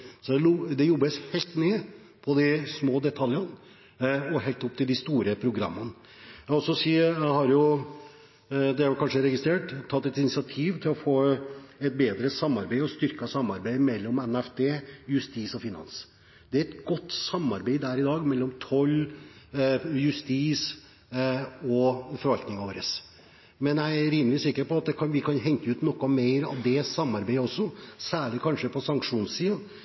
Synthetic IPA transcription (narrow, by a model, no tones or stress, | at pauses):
sɔd̪ɛld̪ɛjɔbːəshɛɪlt̪neː | pʰɔd̪ɪsmoːd̪ɛt̪ʰɑljɑn | ɔɦɛlt̪ːʊp̚t̪ʰɪld̪ɪst̪uːɾəpʰɾʊɡɾɑ̰mːən | ɔsɔsiːhɑɾjʊ | d̪ɛæɾkʰɑnʂəɾɛɡɪst̪ɾeːʈt̪ʰːɑt̪ːɛt̪ɪnɪsɪɑt̪ʰiːʋt̪ʰɪlɔfoːɛt̪̚beːd̪ɾəsɑmːɑɾbeɪɔst̪ʏɾkɑsɑmːɑɾbeɪmɛlːɔmɛnæft̪ʰeːjʉst̪iːsɔfɪnɑ̰ns | d̪̥ɛæɾɛt̪ɡɔt̪ːsɑmːɑɾbeɪd̪æɾɪd̪ɑːɡmɛlːɔmt̪ʰɔlː | jʉst̪iːs | ɔfɔɾʋɑlt̪nɪŋɑʋoːɾəs | mɛnjæɪæɾɪnːəɾɪsɪkːəɾpɔɑt̪̚d̪ɛkʰɑnʋɪkʰɑnɦɛŋk̪əʉːt̪nɔkːɔmeɪɾɑ̰ʋd̪ɛsɑmːɑɾbeɪəɔsːɔsæːɭɪkʰɑnʂəpʰɔsɑŋkʂuːnssiːɑn